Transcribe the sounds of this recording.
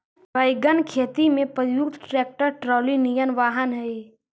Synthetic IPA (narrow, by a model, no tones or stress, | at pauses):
baɪɡənkʰeːt̪imẽpəɾjukt̪ʰʈɾeːk̚ʈəɾʈɾɔːlinijənʋaːɦənɦɛi